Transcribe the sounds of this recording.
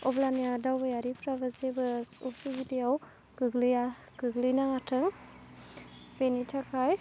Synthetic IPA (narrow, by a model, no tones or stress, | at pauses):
ɔblanijadawbajaɾipɾabazebɯsɔsubidejaw | ɡ̥ɯɡlija | ɡɯɡlijnaŋatʰɯŋ | penitʰakʰaj